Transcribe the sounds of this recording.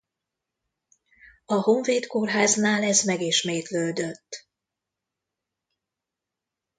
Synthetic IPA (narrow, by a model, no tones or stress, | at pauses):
ɒho̞ɱveːt̪korɦaːznaːlɛzmɛɡiʃmeːt̪løːd̪øt̪ː